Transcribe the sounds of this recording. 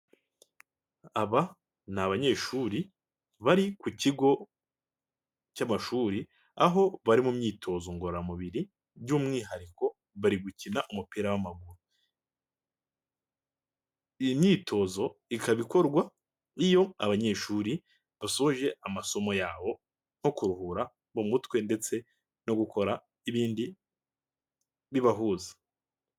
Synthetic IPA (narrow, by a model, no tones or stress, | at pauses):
aβa | naβaɲe̞ːʃuːɾi | βaɾikuciɡo̞ | camaʃuːɾi | aɦo̞βaɾimumɲiːtʰo̞ːzo̞ŋɡo̞ɾɾamuβiɾi | ɟuːmŋiːɦaɾiko̞ | βaɾiɡucinaʔumupiɾawamaɡuɾu | imɲiːtʰo̞ːzo̞ikaβiko̞ɾɡwa | ijo̞a̰βaɲe̞ʃuːɾi | βasohoʒe̞amaso̞mo̞jaːβo̞ | ŋ̥ho̞kuɾuhuɾa | βumutwe̞nde̞t͡se̞ | no̞ɡukʰo̞ɾa | iβiːndi | βiβaɦuːzḁ